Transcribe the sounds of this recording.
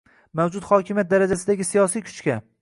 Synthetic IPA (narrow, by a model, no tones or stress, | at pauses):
mawd͡ʒʊt̪hɒkʲʰɪmʲijat̪̚d̪aɾad͡ʒasɪd̪aɡʲɪsijɒsijkʲʰʊ̥t͡ʃkʲa